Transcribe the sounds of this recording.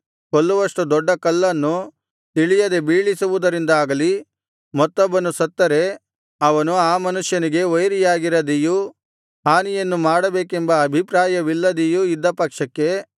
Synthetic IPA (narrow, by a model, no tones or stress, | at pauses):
kolːuʋɐʂʈud̪ɔɖːɐkɐlːɐnːu | t̪iɭijɐd̪ebiːɭisuʋud̪ɐɾind̪aːɡɐli | mɔt̪ːɔbːɐnusɐt̪ːɐɾe̞ | ɐʋɐnuaːmɐnuʂjɐniɡe̞ojɾijaːɡiɾɐd̪iju | ɦaːnijɐnːumaːɽɐbeːkembɐːbʱipɾaːjɐʋilːɐd̪ijuid̪ːɐpɐkʂɐkːe̞